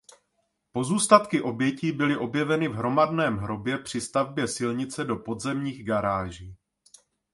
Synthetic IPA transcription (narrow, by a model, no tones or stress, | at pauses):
po̞zuːst̪at̪kɪʔo̞bjɛciːbɪlɪʔo̞bjɛvɛnɪvɦɾo̞madnɛːmɦɾo̞bjɛpr̝̥ɪst̪avbjɛsɪlɲɪt͡sɛdo̞po̞d̪zɛmɲiːɣɡaɾaːʒiː